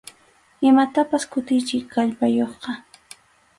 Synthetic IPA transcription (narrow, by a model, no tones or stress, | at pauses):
ɪmat̪apaskʊt̪ɪjt͡ʃɪkkaʎpajoχqɑ